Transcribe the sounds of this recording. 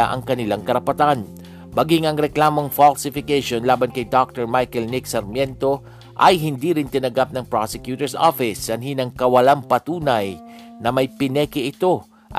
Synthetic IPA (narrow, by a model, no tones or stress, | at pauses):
aʔɐ̰ŋkɐnɪlaŋkɐɾɐpɐt̪an | mɐɡiŋɐŋɾɛklaːmo̞ŋfalsɪfɪkeʃonlaːbɐnkɐjd̪ok̚t̪ɛɹmajkɛlnɪksɐɾmjɛnt̪o̞ | ʔɐjɦɪnd̪iːɾɪnt̪ɪnɐɡap̚nɐŋpɾosɛkjuːt̪ɛɹso̰fɪsːɐnhinɐŋkɐwɐlampɐt̪uːnɐj | nɐmɐjpɪnɛːkɪʔɪt̪o̞ | ʔ